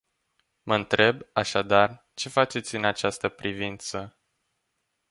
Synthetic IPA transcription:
məɨnt̪ɾe̞baʃad̪ar | t͡ʃe̞fat͡ʃe̞t̪sʲɨnat͡ʃast̪əpɾivint̪sə

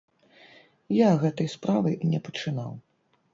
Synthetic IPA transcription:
jaɣɛt̪ɐjspɾavɨnʲɛpɐt͡ʂɨna̰w

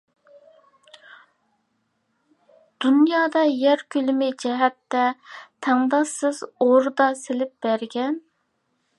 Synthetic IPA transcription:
d̪̥unjɑːd̪ɑjæɾkʲʰylɪmɪd͡ʒɛɦɛt̪ːɛt̪ʰæŋd̪ɑsɨzoɾd̪ɑselɪp̚b̥æɾɡʲɛn

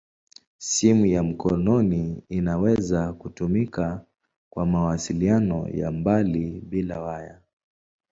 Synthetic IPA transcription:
simujam̩kɔnɔniːnawɛzakutumika | kwamawasilianɔ̰ja̰mbalibilawaja

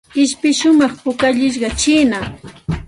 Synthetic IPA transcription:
ɪʃpɪʃʊmɑχpʊkaʎɪʃ̬ɢɑt͡ʃɪːna

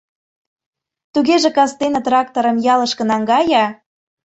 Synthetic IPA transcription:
t̪uɣeʒĕkɑst̪enɤ̆t̪rɑk̚t̪oɾə̆mjɑlə̆ʃkə̆nɑŋɡɑjɑ

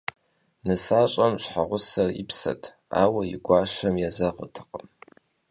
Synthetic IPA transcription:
nɨsaːɕʼɐmɕħaʁʷʊsɐrḭpʰsɐ̰tʰ | a̰ːwɐjɪ̰ɡʷaːʃɐmjazɐʁə̰tʰɨ̥qʼəm

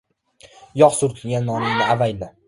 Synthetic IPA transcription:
jɒqsʊɾt̪ʰɪlɡʲanːɒnɪŋnɪavajd̪ɪ

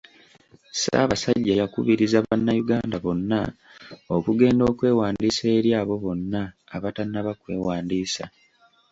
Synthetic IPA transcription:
sa̰βasaɟːajakṵβiɾizaβanːajuɡaːndaβo̞nːa | okuɡe̞ːndo̞ːkwe̞ːwaːndiːse̞ːɾjaːβo̞βo̞nːaːβatanːaβakwe̞ːwaːndiːsa

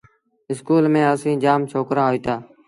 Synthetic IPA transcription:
ɪskuːlmẽːəsĩːd͡ʒaːmt͡ʃʰoːkɾaːɦoiːt̪aː

